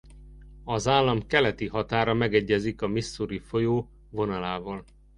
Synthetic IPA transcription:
ɒzaːlːɒmkɛlɛt̪iɦɒt̪aːɾɒmɛɡɛɟːɛzikɒmisːuɾifo̞joː | vo̞nɒlaːvɒl

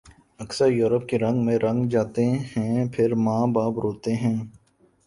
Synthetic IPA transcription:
ɐksəɾjuːɾəp̚keɾɐ̃ŋɡmẽɾɐ̃ŋɡd͡ʒaːt̪eɦɛ̃pʰɪɾmãːbaːbɾoːt̪eɦɛ̃ː

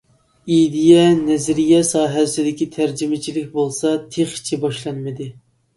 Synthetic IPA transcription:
id̪ijɛnɛzɾijɛsɑːɦɛsɪd̪ɪkʲit̪ʰæɾd͡ʒimɪt͡ʃʰilɪk̚ʲbolˠsɑt̪ʰeχi̥t͡ʃʰibɑʃlˠɑnmɨd̪ɨ

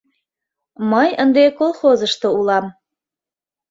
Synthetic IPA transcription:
məjənd̪ekolˠxozəʃt̪ŏulɑm

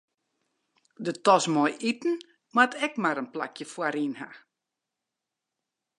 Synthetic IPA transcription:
dətɔsmɔjʔitn̩ | matʰɛkmaɾənpla̰kʰjəfwaɾinha̰

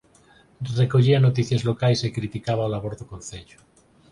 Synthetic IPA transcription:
rekoʎianot̪iθjazlokajsekɾit̪ikaβ̞aolaβoɾðokõnθeʎo̥

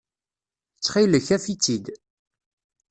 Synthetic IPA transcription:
t͡sːχiləçæfit͡sːid̪

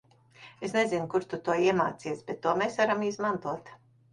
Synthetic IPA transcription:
esnezinkuɾt̪ut̪uɔiɛmaːt̪siɛsbʲet̪ːuɔmeːsvaɾamizmant̪uɔt̪

